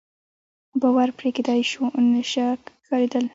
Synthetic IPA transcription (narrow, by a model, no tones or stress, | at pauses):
bɑwaɾpɾeked̪ɑjʃunəʃakɑɾed̪əl